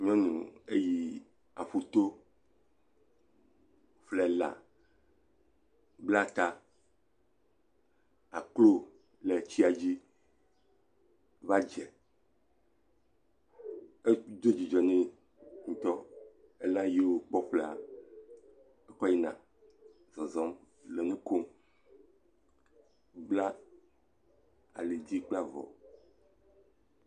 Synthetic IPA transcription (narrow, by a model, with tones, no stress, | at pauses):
ɲ˦ɔ̃˦nṵ̃˨e˦ji˦ | a˨ɸu˦t̪o˦ | flɛ˨la̰˨ | bla˦t̪a˦ | a˨klo˦ | lɛ˨t͡ɕi˦a˨d͡ʑi˦ | va˦d͡ʒɛ˨ | e˦d̪o˦d͡ʑi˨d͡ʒɔ˨nĩ˦ | ŋũ˨t̪ɔ˦ | e˦lã˦ji˦wo˦k͡pɔ˦ɸle˨a̰˨ | e˦kɔ˦ji˦nã̰˨ | zɔ˨zɔ˦m | le˨nũ˦ko˦m | ɡ͡bla˦ | a˨le˨di˦k͡pla˦vɔ̰˨